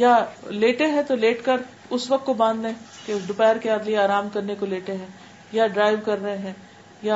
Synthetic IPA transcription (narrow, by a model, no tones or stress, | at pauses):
jaleːʈeɦɛ̃t̪oleːʈkɐɾ | ʊsʋɐk̚t̪kobãːnd̪lẽːked̪ʊpɛːɾkeaːd̪lieaːɾaːmkɐɾnekoleːʈẽɦɛ̃ː | jaɖɾaːɪʋkɐɾːɐɦẽɦɛ̃ː | ja